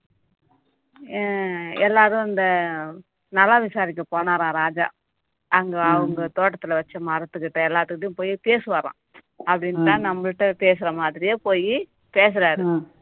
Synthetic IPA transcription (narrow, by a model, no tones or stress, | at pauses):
ɛlːaːɾɯ̃ɪnd̪ɐ | nɐlːaːʋɪsaːɾɪkːɐpoːnaːɾãːɾaːd͡ʒa̰ː | ʔɐŋɡɐɐʋɐŋɡɐt̪oːʈːɐt̪ːɪlɐʋɐt͡ʃːɐmɐɾɐt̪ːɯkːɪʈːɐɛlːaːɾt̪ɯkɯʈːɐjʊ̃poːjipeːsɯʋɐːɾã̰ː | ɐpːɐɽɪnt̪ãːnɐmːɐɭʈːɐpeːs̬ɪɾɐmaːðɪɾɪjeːpoːji | peːs̬ɪɾaːɾɯ